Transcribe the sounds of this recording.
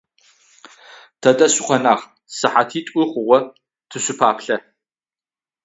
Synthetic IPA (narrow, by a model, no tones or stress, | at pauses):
tʰɐdʼɐɕɪqʷɔnaːχ | sɨħatʰiːtʷʼʊχʷʊʁʷɔ | tʰɨɕʊpʰaːpʰɬɐ